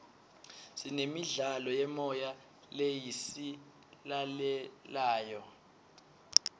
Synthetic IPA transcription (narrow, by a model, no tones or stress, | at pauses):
sinemiɮalɔjɛmɔja | lejisi | lalɛlaːjɔ